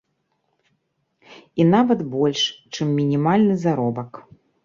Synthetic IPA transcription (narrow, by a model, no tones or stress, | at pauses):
inavɐd̪bɔlʲʂt͡ʂɨmːʲinʲimalʲnɨzaɾɔbɐk